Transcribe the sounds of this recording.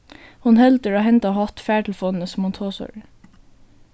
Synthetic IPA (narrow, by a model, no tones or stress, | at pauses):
hʊnhɛlt̪əɹoːhɛnt̪ɑhɑt̪fæːʈl̩fɔnn̩əsɔmhʊnt̪ʰoːsɔ̰ɾə